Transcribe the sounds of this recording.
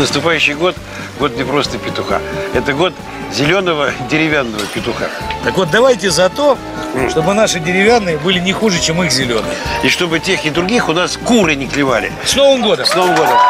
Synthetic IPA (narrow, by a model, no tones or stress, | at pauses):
nəst̪ʊpajʉɕːɪjɡo̞t̪ | ɡo̞t̪nʲɪpɾo̞st̪əpʲɪt̪ʊxa̰ɛt̪əɡo̞t̪ | zʲɪlʲo̞nəvədʲɪɾʲɪvʲanːəvəpʲɪt̪ʊxa̰ | t̪əkvo̞t̪d̪ɐvajtʲɪzɐt̪o̞ | ʂt̪o̞bɨnaʂɨdʲɪɾʲɪvʲanːɨjəbɨlʲɪnʲɪxuʐɨt͡ɕe̞mixzʲɪlʲo̞nɨ̰jiʂt̪o̞bɨtʲe̞xɪd̪ɾʊɡʲixʊnaskuɾɨnʲɪklʲɪvalʲɪ̰sno̞vəmɡo̞d̪əsnovəmɡo̞d̪əm